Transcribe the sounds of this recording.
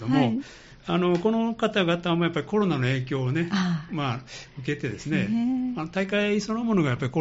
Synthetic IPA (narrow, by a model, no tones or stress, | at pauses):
d̪omo̞ | ano̞ko̞no̞kat̪aɡat̪amo̞japːaɾʲiko̞ɾo̞nano̞e̞ːk̬ʲo̞ːne̞maɯ̟ke̞t̪e̞d̪e̞sɨne̞anot̪aikaiso̞no̞mo̞no̞ɡajapːaɾiko